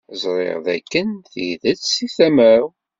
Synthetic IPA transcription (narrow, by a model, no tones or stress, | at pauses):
zˤɾˤḛʁðæ̰kːənθiðət͡ssiθæməɾ